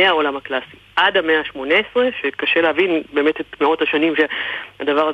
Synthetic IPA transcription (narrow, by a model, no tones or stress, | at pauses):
eao̞lamhaklasiʔadhameaːʃmo̞neesʁeʃekaʃeleɦavinbe̞ːmetetmeotaʃanimʃeadavaʁa